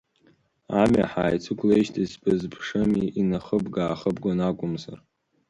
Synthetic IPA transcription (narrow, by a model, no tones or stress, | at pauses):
amʲa̰ħa̰ːjt͡sʷʰɨkʷʰʼlejʃtʰizbɨzpʰʂɨmiinaχəbɡaːχəbɡʷanakʷʼʊmza̰r